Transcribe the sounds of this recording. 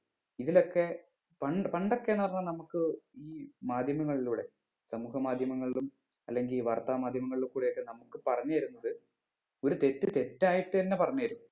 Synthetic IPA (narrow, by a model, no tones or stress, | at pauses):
iðilo̞kːe̞ | pɐɳɖpɐɳɖo̞kːenɐɐrɐnːɐnɐmukːɨiːmaːd̪ʱjɐmɐŋːɐɭiluːɽe̞ | sɐmuːhɐmaːd̪ʱjɐmɐŋːɐɭilum | ɐ̰lːe̞ŋɡiliʋɐrt̪aːmaːd̪ʱjɐmɐŋːɐɭilukuːɽijokːenɐmukːɨpɐrɐɲːuɐiɾunːɐðɨ | o̞ɾut̪e̞tːɨt̪e̞tːaːjiʈːɨɐnːepɐrɐɲːajiɾunːu